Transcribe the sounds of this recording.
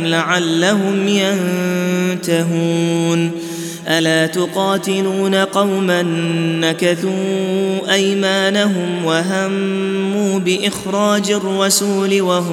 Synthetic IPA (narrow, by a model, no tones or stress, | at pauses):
laʕalːaɦʊmjan | t̪aɦuːn | ʔalaːt̪ʊqɑːt̪ɪluːnaqɑwmanːakaθuːʔajmaːnaɦʊmwaɦamːuːbɪʔɪxɾˤɑːd͡ʒarˤːɑsuːlɪwaɦʊ